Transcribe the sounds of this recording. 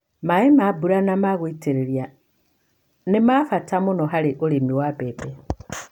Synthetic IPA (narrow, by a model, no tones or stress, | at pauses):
maemabuɾanamaɣwiteɾeɾja | nemafatamunoɦaleʔulimiwabebe